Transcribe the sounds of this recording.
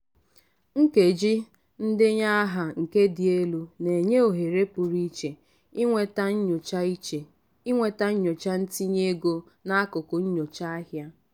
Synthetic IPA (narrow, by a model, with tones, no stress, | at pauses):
ŋ̩˦ke˨d͡ʒi˦ | n̩˦dɪ˦ɲa˦a˦ɦa˨ŋ̩˨ke˦dɪ˨e˦lu˦ne˨ɲe˦o˨ɦe˨ɾe˦pʊ˨ɾi˦t͡ʃe˨ | i˦ŋʷe˨ta˦ɲ̩˦ɲʊ˨t͡ʃa˦i˦t͡ʃe˨ | i˦ŋʷe˨ta˦ɲ̩˦ɲʊ˨t͡ʃa˦n̩˦ti˦ɲe˦ɡo˦ | na˦a˦kʊ˨kʊ˨ɲ̩˦ɲo˨t͡ʃa˦a˦ɦja˦